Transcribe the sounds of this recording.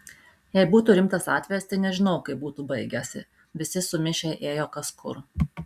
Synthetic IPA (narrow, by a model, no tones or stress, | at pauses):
jɛɪbuːt̪uːɾʲɪmt̪ɐsɑːt̪ʲʋʲɛjɛst̪ɐɪnʲɛʒʲɪnɐʊkɐɪbuːt̪uːbɐɪɡʲɛsʲɪ̰ | ʋʲɪsʲɪsʊmʲɪʃʲɛʔeːjoːkɐskʰʊ̰ɾ